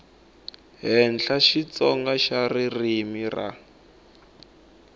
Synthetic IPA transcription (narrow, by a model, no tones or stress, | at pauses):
ɦɛnɬaʃit͡sɔŋɡaʃaririmira̰